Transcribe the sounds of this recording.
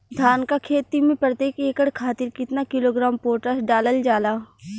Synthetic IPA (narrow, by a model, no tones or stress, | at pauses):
d̪ʱaːnkakʰeːt̪imẽpɾət̪eːkeːkəɽkʰaːt̪ɪɾkɪt̪nakɪloːɡɾaːmpoːʈəsɖaːləld͡ʒaːlaː